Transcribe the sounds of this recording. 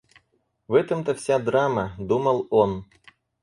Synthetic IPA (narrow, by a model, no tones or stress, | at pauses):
vɛt̪əmt̪əfsʲad̪ɾaməd̪uməlˠon